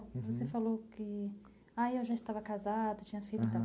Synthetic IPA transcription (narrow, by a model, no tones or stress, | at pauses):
vosefalowkɪ | ajewʒaɪst̪avɐkazad̪ʊt͡ʃĩɲɐfilt̪a